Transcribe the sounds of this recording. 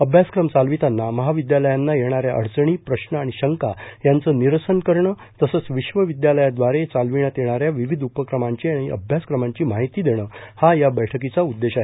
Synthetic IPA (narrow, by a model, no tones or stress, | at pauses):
əbʱjaskɾəmt͡salʋit̪anːaməɦaʋid̪jaləjanːajeɽ̃aɾjaʔə̰ɽt͡səɳ̃iːpɾəɕnəaɽ̃iɕəŋkajant͡səːniɾəsənkəɾɳə | t̪əsəːt͡sʋiɕʋəʋid̪jaləjad̪ʋaɾet͡salʋiɳjat̪jeɽ̃aɾjaʋiʋid̪ʱupəkɾəmaɲt͡ɕiaɽ̃iʔə̰bʱjaskɾəmaɲt͡ɕiːmaɦit̪iːd̪eɽ̃əːhajabəjʈʰəkit͡saud̪ːeɕaɦe